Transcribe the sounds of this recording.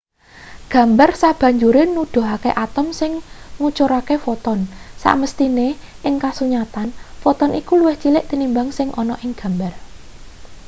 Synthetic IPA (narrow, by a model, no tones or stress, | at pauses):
ɡ̥ä̤mbarsab̥ä̤ɲd͡ʒuɾɪnud̪̥o̤ɦakeʔat̪əmsɪŋŋut͡ʃuɾakefɔt̪ɔnsa̰ʔməst̪ine | ʔɪŋkasuɲat̪anfɔt̪ɔnʔikuluwɪht͡ʃilɪʔt̪inimbaŋsɪŋʔɔnɔʔɪŋɡ̥a̤mbar